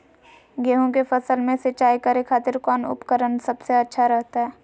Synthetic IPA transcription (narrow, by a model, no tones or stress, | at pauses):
ɡeːɦõk̬efɐsəlmẽsɐt͡ʃaːikɐɾekʰaːt̪ɪɾkɔːnʊ̰pkəɾənsɐbseɐtːʃʰaɾɐɦt̪aɦɛː